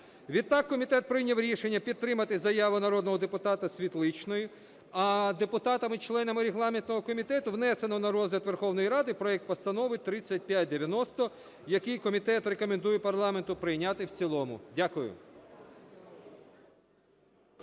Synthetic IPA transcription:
ʋʲid̪̚t̪ɑkːɔmʲit̪ɛt̪̚pɾɪjnʲɐwɾʲiʃenʲːɐpʲid̪̚t̪ɾɪmɐt̪ɪzɐjɑʋɪnɐɾɔd̪nɔɦɔd̪epʊt̪ɑt̪ɐsʲʋʲit̪lˠɪt͡ʃnɔjʊ | ɐd̪epʊt̪ɑt̪ɐmɪt͡ʃlˠɛnɐmɪɾʲeɦlˠɑmʲint̪nɔɦɔkɔmʲit̪ɛt̪ʊʋnɛse̞nɔnɐɾɔzʲɦlʲɐt̪ʋerxɔwnɔjiɾɑd̪ɪpɾɔɛkt̪pɐst̪ɐnɔʋɪt̪ɾɪt͡sʲːɐt̚ʲpjat̚ʲd̪eʋʲjɐnɔst̪ɔ | jɐkɪjkɔmʲit̪ɛt̪rekɔmend̪ujɛpɐrlˠɑment̪ʊpɾɪjnʲat̪ɪwt͡sʲilˠɔmʊ̰dʲakʊjʊ̰

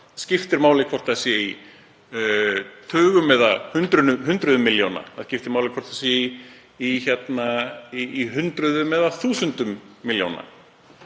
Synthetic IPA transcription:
scɪft̪ɪɾmaːwlɪkʰɔr̥t̪asɛi | t̪ʰʏːɣʏmːɛðahʏnt̪ɾʏnʏɦʏnt̪ɾʏðʏmːɪljowna̰a̰ðscɪft̪ɪɾmaːwlɪkʰɔɾ̥t̪ʰasɛi | içɛt̪naiiɦʏnt̪ɾʏðʏmɛðaθuːsʏnt̪ʏmːiljowna̰

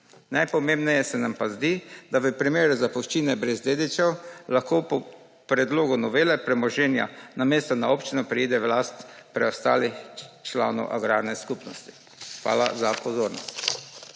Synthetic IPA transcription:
najpɔmeːmbnɛjɛsɛnampazd̪id̪aʋəpɾimeːɾuzapɔʃt͡ʃiːnɛbɾɛzd̪eːd̪it͡ʃɛwlaxkoːpɔ | pɾɛd̪loːɡʊnɔʋeːlɛpɾɛmɔʒɛːnja̰nameːst̪ɔnaoːpt͡ʃinɔpɾɛiːd̪ɛʋlaːst̪pɾɛɔst̪a̰ːlixt͡ʃla̰ːnɔ̰wʔa̰ɡɾaɾnɛskupnɔst̪i̥ | xʋa̰ːlazapɔzoːɾnɔst̪

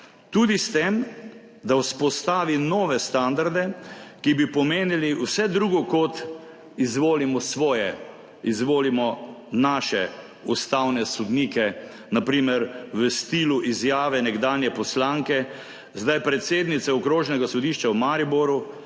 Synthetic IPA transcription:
t̪uːd̪ist̪em | d̪awspɔst̪aːʋinɔːʋɛst̪and̪aɾd̪ɛkibipɔmeːniliwsɛd̪ɾuːɡɔkɔt̪ | izʋoːlimɔsʋɔːjɛ | izʋoːlimɔnaːʃɛ | ust̪awnɛsɔd̪niːkɛ | napɾiːmɛɾʋəst̪iːluʔizjaːʋɛnɛɡd̪aːnjɛpɔslaŋkɛ | zd̪ajpɾɛt̪seːd̪nit̪sɛɔkɾoːʒnɛɡasɔd̪iːʃt͡ʃawmaɾibɔɾu

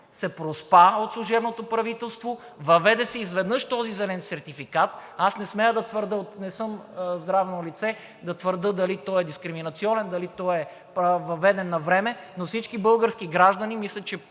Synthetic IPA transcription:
sɛpɾospaot̪slˠuʒɛbnot̪opɾɐvit̪ɛlˠst̪vo | vɐvɛd̪ɛsɛizvɛd̪nɤʃt̪ɔzizɛlɛnsɛɾt̪ifikat̪asnɛsmɛjəd̪ɐt̪vəɾd̪əonɛsɤmzd̪ɾavnolit̪sɛ | d̪ɐt̪vəɾd̪ɤd̪ɐlit̪ɔɛd̪iskɾiminɐt̪siɔnɛnd̪ɐlit̪ɔɛ | pvɐvɛd̪ɛnːɐvɾɛmɛnofsit͡ʃkibɤlˠɡəɾskiɡɾaʒd̪ɐnimislʲɛt͡ʃɛ

